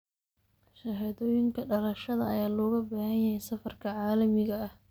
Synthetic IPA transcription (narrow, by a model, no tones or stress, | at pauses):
ʃɐɦaːðɔːjɪŋkʰɐɖɐlɐʃɐðɐɐjaːlɔːɣɐbaːhɐnjɐhɛjsɐfɐrkʰɐʕaːlɐmɪɣɐɐh